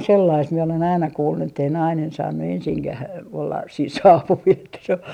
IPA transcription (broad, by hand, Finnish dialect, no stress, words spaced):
selːɑist mie olen ɑinɑ kuːlːu etːei nɑinen sɑːnːu ensiŋkæh olːɑs siːn sɑːpuʋil etːæ se o